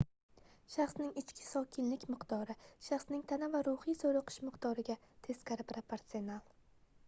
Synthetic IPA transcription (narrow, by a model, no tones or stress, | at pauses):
ʃaχsnɪŋɪt͡ʃkʲʰɪ̥sɒkʲʰɪnlɪkʲmɪqd̪ɒɾɪʃaχsnɪŋt̪ʰanavaɾʊhijzoɾɨqʰɨ̥ʃmɪqd̪ɒɾɪɡʲat̪ʰe̞skʰʲaɾɪpɾapʰeɾt̪sionalˠ